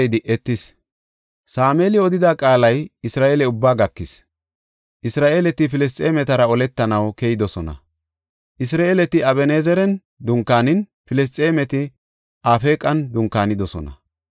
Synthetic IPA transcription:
jd̪ɪʔɛt̪ːɪs | saːmeːlɪɔd̪ɪd̪aːkʼaːlɐjɪsɾaːʔeːlɛʊbːaːɡɐkːɪs | ʔɪsɾaːʔeːlɛt̪ɪfɪlɛs̬t͡sʼe̞ːmɛt̪ɐɾɐɔlɛt̪ːɐnɐwkɛjɪd̪ɔsɔnɐ̰ | ʔɪs̬ɾaːʔelɛt̪ɪɐβɛneːzɛɾɛn | d̪ʊŋkːaːnɪn | fɪlɛs̬t͡sʼeːmɛt̪ɪ | ʔaːfe̞ːkʼɐnd̪ʊŋkːaːnɪd̪ɔsɔnɐ̰

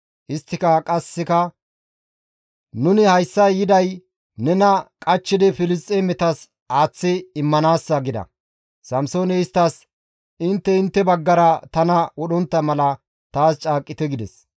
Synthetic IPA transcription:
ʔɪst̪ːɪkɐkʼɐsːɪkɐ | nʊnɪhɐjsːɐjɪd̪ɐj | nɛnɐkʼɐt͡ʃːɪd̪ɪfɪlɪst̪ʼːemɛt̪ɐs | aːt͡sːɪːmːɐnaːsːɐɡɪd̪ɐ̰ | sɐmso̞ːnɛɪst̪ːɐs | ɪnt̪ːɛɪnt̪ːɛbɐɡːɐɾɐt̪ɐnɐwɔɗɔnt̪ːɐmɐlɐ | t̪aːst͡ʃʼaːkʼːɪt̪ɛɡɪd̪ɛs

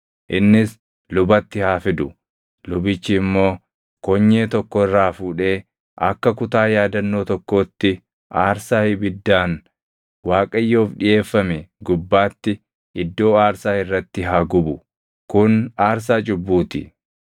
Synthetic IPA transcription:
ʔɪnːɪs | lʊbɐt̪ːɪhaːfɪd̪ʊ | lʊbɪt͡ʃːɪːmːo̞ː | kɔɲːeːt̪ɔkːɔɪrːaːfuːᶑe̞ː | ʔɐ̰kːɐkʊt̪aːjaːd̪ɐnːo̞ːt̪ɔkːo̞ːt̪ːɪ | ʔaːɾsaːhɪbɪd̪ːaːn | waːkʼɐjːo̞ːfᶑɪʔe̞ːfːɐmɛɡʊbːaːt̪ːɪ | ʔɪd̪ːo̞ːaːɾsaːɪrːɐt̪ːɪɦaːɡʊbʊ | kʊnaːɾs̬aːt͡ʃʼʊbːuːt̪ɪ̰

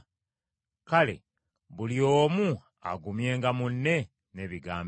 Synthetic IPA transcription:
kale̞̰ | βulioːmu | a̰ɡumje̞ːŋɡamunːe̞ | ne̞ːβiɡaːmb

